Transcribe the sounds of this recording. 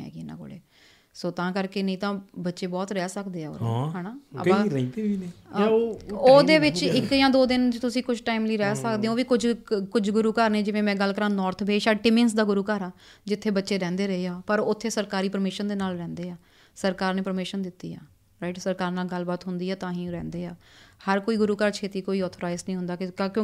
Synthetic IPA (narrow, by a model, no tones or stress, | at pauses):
ɦɛ̰ːɡiːnã̰ːɡo̰ːɽḛː | soːt̪ãːkəɾkeːnəĩːt̪ãːbətːʃeːbɔːt̪ɾɛːsəkd̪eːaːo̰ːɾ̰ɦɛːnaːə̰ãːɾəĩt̪eʋinː | oːd̪eːʋɪt͡ʃɪkjãːd̪oːd̪ɪnt̪ʊsĩːkʊt͡ʃʈaːimliːɾɛːsəkd̪ẽːoːʋiːkʊd͡ʒkʊd͡ʒɡʊɾuːkəɾneːd͡ʒɪʋẽːmɛ̃ːɡəlːkəɾãːnɔːɾt̪ʰbʱeːʃaːʈɪmẽns̬d̪aːɡʊɾuːkəɾãːd͡ʒɪt̪ʰːeːbətːʃeːɾɛ̃ːnd̪eːɾəɦeːaːpəɾʊt̪ʰːeːsəɾkaːɾiːpəɾmeːʃənd̪eːnaːlɾɛ̃ːnd̪eːaː | səɾkaːɾneːpəɾmeːʃənd̪ɪt̪ːḭːa̰ː | ɾaːɪʈsəɾkaːɾnaːlɡəlbaːt̪ɦʊnd̪iːɛːt̪ãːɦĩːɾɛ̰̃ːnd̪eːaːhəɾkoːiːɡʊɾuːkəɾt͡ʃʰeːt̪iːkoːiːɔːt̪ʰːɾaːɪznəĩːɦʊnd̪aːkɪkjõː